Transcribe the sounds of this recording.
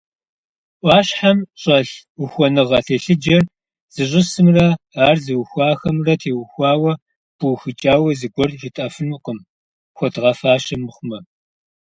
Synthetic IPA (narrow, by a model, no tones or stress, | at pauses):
ʔʷɑːɕħamɕʼɐɬʊxʷɔnɨʁɐɬʰeːɬɨd͡ʒɐr | z̥ɨɕ̬ʼɪsɨmrɐ | aːrzɨwxʷɑːxɐmrɐtʰeːwxʷɑːwɐ | b̥uwxɨt͡ʃʼaːwɐzɨɡʷɔrʒitʼɐfɨnuqʼəm | xʷɔtʁɐfaːɕɐmɨχʷʊmɐ